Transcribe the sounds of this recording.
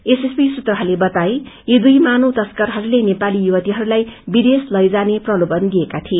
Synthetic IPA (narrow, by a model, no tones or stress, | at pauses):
esespisut̪rʌɦʌlebʌt̪aejid̪ujmanowt̪ʌskʌrɦʌɾulenepalijuwʌt̪iɦʌɾulajbid̪eslʌjd͡zaneprʌlobʌnd̪iekat̪ʰie